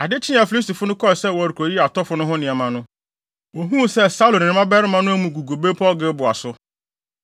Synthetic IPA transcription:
a˨dɪ˦t͡ɕʰɪ̃˦a˨fi˨li˦sti˨fʊ˦nʊ̃˦kʰɔ˦ɛ˨sɛ˦wɔ˨a˨ɾu˨kʰo˨˦i˦˨a˨tʰɔ˦fʊ˦nʊ̃˦ɦʊ̃˦nɪ̃˨ɛ˨mã˨nʊ̃˦ | wo˨ɦũ˦˨sɛ˦sa˦lõ˨nɪ̃˨nɪ̃˦mã˦bɛ˦ɾɪ˦mã˦nʊ̃˦æ˦mũ˨ɡu˨ɡo˨be˦pʰɔ˦lɡɪ˦bʊ˨a˨sʊ˦

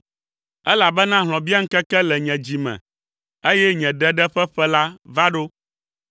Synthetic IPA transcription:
ɛ˦la˨bɛ˦nã˦ɦl̃ɔ̃˨bi˦a˦ŋ̩˦kɛ˦kɛ˦lɛ˨ɲɛ̃˨d͡ʑi˨mɛ̰̃˨ | e˦jɛ˦ɲɛ̃˨ɖɛ˦ɖɛ˦ɸɛ˦ɸɛ˦la˦va˦ɖo˦

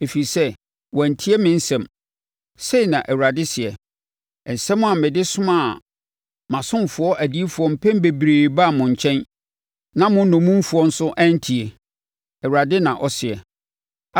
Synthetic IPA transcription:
e˨fi˨sɛ˦ | wɔ̃˨n̩˨tʰi˦e˦mɪ̃˦n̩˦sɛ̃˨m | se˦i˨nã˨ʔɛ˨wu˨ɾa˨dɪ˦sɪ˨ɛ˨ | ɛ˨n̩˨sɛ̃˦mʊ̃˦a˨mɪ̃˨dɪ˦sʊ̃˦ma˨ | mã˨sʊ̃˦m˨fʊ˨˦ɔ˦ʔæ˨di˦e˦fu˨ɔ˦m̩˨pʰɛ̃˦m˦be˨bɾeː˨ba˦˨mʊ̃˨ɲ˨t͡ɕʰɛ̃˦n | nã˦mʊ̃˦n˦nʊ̃˨mũ˦m˦fʊ˨ɔ˦n̩˦sʊ˦ʔæ̃˦n̩˦tʰi˨e˨ | ɛ˨wɾa˨dɪ˦nã˨ʔɔ˨sɪ˨ɛ˨

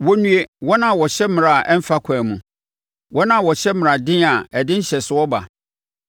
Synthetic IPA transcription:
wɔ˦nũ˦e˦wɔ˦nã˨wɔ˨ɕɛ˦m̃˨ɾa˨ʔɛ˦m̩˦fa˦kʷʰaː˨mũ˨ | wʔɔ˦nã˦˨wɔ˨ɕɛ˦mɪ̃˨ɾa˨dɪ̃˦a˨ɛ˨dɪ̃˦n̩˦ɕɛ˨sʊ˦ɔ˦ba̰˨

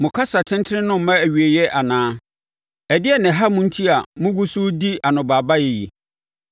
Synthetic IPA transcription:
mʊ̃˨kʰa˦sa˨tʰɪ̃˦n˦tʰɪ˦ɾɪ̃˦nʊ̃˦m̩˨mã˦æ˨ɥi˨e˨jɛ˦ʔa˨nãː˦ | ɛ˨dɪ˦ɛ˨nɪ̃˨ɦa˦mʊ̃˦n̩˦tʰi˦a˨mʊ̃˦ɡu˦su˦di˦a˨nʊ̃˨baː˨ba˦jɛ˨jḭ˨

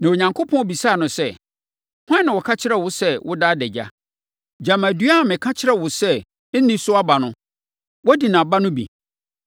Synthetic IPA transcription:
nã˨wo˨ɲã˨ŋkʰo˦pʰɔ̃˦bi˨saː˦˨nʊ̃˨sɛ˦˨ | hʷã˦nã˨wɔ˨kʰa˦t͡ɕʰɪ˦ɾɛ˦˨wʊ˨sɛ˦wʔʊ˦daː˦dɛ˨d͡ʑa̰˦ | d͡ʑa˨ma˨dɥa˦˨mɪ̃˨kʰã˦t͡ɕʰɪ˦ɾɛ˦wʊ˨sɛ˦ | n̩˦nĩ˦sʊ˦a˦ba˨nʊ̃˦ | wɔ˦di˨nã˨ba˦nʊ̃˦bḭ˨

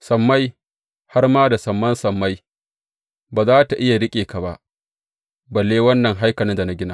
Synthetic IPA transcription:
sɐ˨mːa˦j | ha˦rmaː˦da˨sɐ˨mːɐ˦nsɐ˨mːa˦j | baː˨zaː˦ta˨ʔɪ˦ja˨ɽɪ˦kʲʼeː˨ka˨ba̰˦ʔ | bɐ˨lːeː˦wɐ˦nːɐ˨ŋɦa˦jkɐ˨nɪ˦nda˨na˦ɡʲɪ˦naː˦

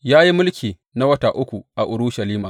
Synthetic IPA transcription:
jaː˦ji˦mʊ˦lkʲiː˨ | na˦wɐ˦taː˨ʔʊ˦kʷu˨ʔa˨ʔʊ˨ɾʊ˦ʃa˨liː˦maː˨

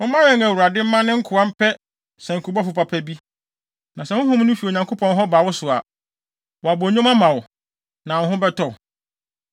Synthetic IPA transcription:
ʊ̃˦mã˦ɛ̃˦ŋæ˨wu˨ɾa˨dɪ˦m̩˦mã˦nɪ̃˦ŋ̩˦kʰʊ˨a˦m̩˦pʰɛ˦ | sɛ̃˨ŋ̩˨kʰu˨bɔ˦fʊ˨pa˨pʰɛ˦bi˦ | nã˨sɛ˨hʊ̃˦hʊ̃˦m˦nʊ̃˦fi˨o˨ɲã˨ŋkʰo˦pʰɔ̃˨nɦɔ˦baː˨wʊ˦sʊ˨a˨ | wɔ˨a˨bɔ˨ɲʊ̃˦mã˦mã˨wʊ˨ | nã˨˦ɦʊ̃˦bɛ˦tɔ˨

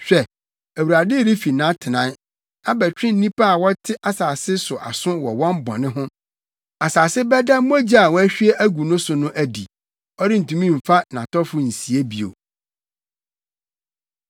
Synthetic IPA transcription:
ɕᶣɛ˨ | æ˨wu˨ɾa˨dɪ˦ɾi˦fi˨nã˦tʰɪ˨nã˦n | a˦bɛ˨t͡ɕᶣɪ̃˦n̩˦nĩ˦pa˦a˨wɔ˦tʰɪ˦ʔa˨saː˨sɪ˦sʊ˨ʔa˨sʊ̃˦wɔ˨wɔ̃˦m˦bɔ̰̃˨nɪ̃˦ɦʊ̃˦ | a˨saː˨sɪ˦bɛ˦da˦m̃˦ɔ˦d͡ʑi˦a˨wɔ˦æ˦ɕᶣi˦e˦ʔæ˦ɡu˨nʊ̃˦sʊ˨nʊ̃˦ʔæ˨dḭ˨ | ɔ˦ɾɪ˦n̩˨tʰũ˨mĩ˦m̩˨fa˦nã˨tɔ˦fʊ˦n̩˨si˨e˦bi˨o̰˨

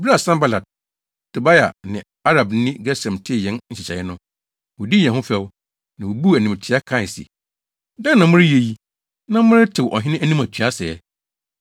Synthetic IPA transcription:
bɾa˨sã˦mba˦la˨d̚ | tʰu˨ba˦ja̰˨nɪ̃˨ | a˦ɾa˨bn̩˦nɪ̃˦ɡɛ˦sɛ̃˨mtʰɪ˦˨jɛ̃˨˦n˦ɲ̩˨ɕɪ˨t͡ɕʰa˨jɪ˦nʊ̃˦ | wɔ˨di˦ɲɛ̃˨ɦʊ̃˦fɛ˦w | nã˨wo˨bu˦æ˨nĩ˨tʰɪ˦a˦kʰa˦˨sḭ˨ | dã˦nːã˨mʊ̃˦ɾɪ˦je˨ji˦ | nã˦mʊ̃˦ɾɪ˦tʰɪ˨wʔɔ̰˨ɦɪ̃˦nɪ̃˦æ˦nĩ˦ma˨t͡ɕʰᶣy˨a˦sɛ˨ɛ˨˦

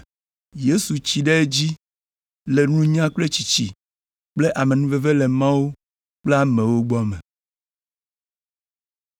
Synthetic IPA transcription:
je˦su˨t͡ɕi˨ɖe˦e˦d͡ʑi˦ | le˨nũ˦ɲã˦k͡ple˦t͡ɕi˨t͡ɕḭ˨ | k͡ple˦ʔa˨mẽ˨nũ˦ve˦ve˦le˨mã˦wo˦ | k͡ple˦a˦mẽ˨wo˦ɡ͡bɔ˦mẽ˨

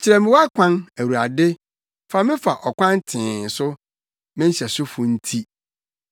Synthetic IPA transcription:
t͡ɕʰɪ˨ɾɛ˨mɪ̃˨wa˦kʷʰã˦næ˨wu˨ɾa˨dɪ˦ | fa˨mɪ̃˦fa˨ʔɔ˨kʷã˦n˦tʰɪ̃ː˨n̩˨sʊ˦ | mɪ̃˦n̩˦ɕɛ˨sʊ˦fʊ˨n̩˦tʰi˦

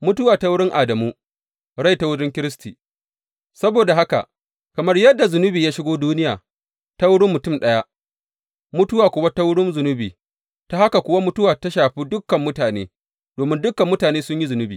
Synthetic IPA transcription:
mʊ˦tʊ˦waː˨ta˦wʊ˦ɽɪ˦ŋʔa˨dɐ˨muː˦ | ɽa˦jta˦wʊ˦dɪ˦ŋkʲɪ˦ɾɪ˦stiː˨ | sɐ˦boː˨da˨ɦa˦ka̰˨ | kɐ˨mɐ˦rjɐ˦dːa˨zʊ˨nʊ˦biː˨jaː˦ʃɪ˦ɡʷoː˦duː˦nɪ˦ja̰ː˨ | ta˦wʊ˦ɽɪ˦mːʊ˨tʊ˦˨mɗɐ˦ja˦ʔ | mʊ˦tʊ˦waː˨kʷʊ˦wa˦ta˦wʊ˦ɽɪ˦nzʊ˨nʊ˦biː˨ | ta˦ha˦ka˨kʷʊ˦wa˦mʊ˦tʊ˦waː˨ta˦ʃaː˨ɸiː˦dʊ˦kːɐ˨mːʊ˦taː˨neː˦ | doː˨mɪ˦ndʊ˦kːɐ˨mːʊ˦taː˨neː˦sʊ˦ɲji˦zʊ˨nʊ˦biː˨

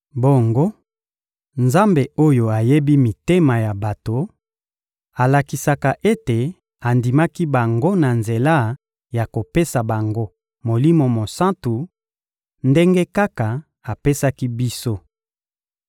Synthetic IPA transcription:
bo˦ŋɡo˦ | nza˦mbe˨o˦jo˨a˨je˦bi˦mi˨te˦ma˨ja˨ba˨to˨ | a˨la˨ki˨sa˨ka˨ʔe˦te˨ | a˨ndi˨ma˦ki˦ba˨ŋɡo˦na˨nze˨la˦ | ja˨ko˨pe˦sa˨ba˨ŋɡo˦ | mo˨li˦mo˨mo˨sã˦ntu˨ | nde˦ŋɡe˦ka˦ka˨ | a˨pe˦sa˦ki˦bi˦so˦

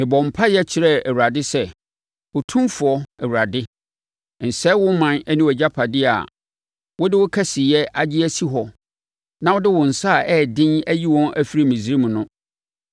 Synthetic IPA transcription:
mɪ̃˨bɔ̃˨m̩˨pʰa˦jɛ˦t͡ɕʰɪ˨ɾɛ˦æ˨wu˨ɾa˨dɪ˦sɛ˦ | wʊ˨tʰũ˦mfʊ˨ɔ˦ɛ˨wu˨ɾa˨dɪ˦˨ | n̩˨sɛ˦wʊ˦mã˨nɛ˦nĩ˦wɛ˨d͡ʑa˦pʰa˨dɪ˦a̰˨ | wʊ˦dɪ˦wʊ˦kʰɛ˦sɪ˨jɛ˦ʔa˨d͡ʑɪ˦æ˦si˦ɦɔ˨ | nã˦wʊ˦dɪ˦wʊ̃˨n̩˨sa˦˨ʔɛː˦˨dɪ̃˦næ˦ji˦wɔ̃˦nʔæ˦fi˦ɾi˦mĩ˨zi˨ɾi˦mũ˨nʊ̃˦

